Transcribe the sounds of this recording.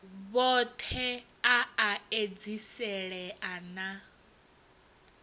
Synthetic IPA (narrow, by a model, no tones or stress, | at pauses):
βɔt̪ʰɛ | aaed͡zisɛɺɛʔana